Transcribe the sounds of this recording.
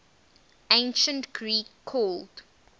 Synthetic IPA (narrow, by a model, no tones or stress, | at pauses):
ẽɪnʃə̃ntɡ̥ɹiːkʰːɔːld